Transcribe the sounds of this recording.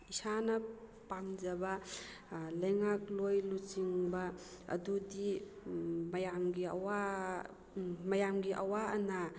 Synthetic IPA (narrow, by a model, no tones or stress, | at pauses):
isanɐ | pamd͡ʒɐbɐ | lɐjŋak̚lojlut͡ʃiŋbɐɐ̰dudi | mɐjamɡiɐ̰wa | mɐjamɡiʔɐwaɐna